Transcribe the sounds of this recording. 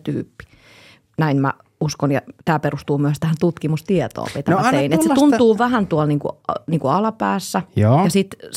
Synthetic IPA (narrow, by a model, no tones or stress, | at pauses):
t̪y̰ːpːi̥ | næinmæ̰ | uskonjɑ̰t̪æːperust̪uːmyøst̪æhænt̪ut̪kimust̪iɛt̪o̰ːmpit̪æteeinetsset̪unt̪uːʋæhænt̪uɑlniːŋkṵniːŋkuɑlɑpæːsːæjjɑsit̪